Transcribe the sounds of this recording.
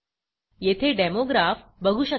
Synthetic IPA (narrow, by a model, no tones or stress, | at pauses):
jet̪ʰeɖemoɡɾaf | bəɡʱuɕə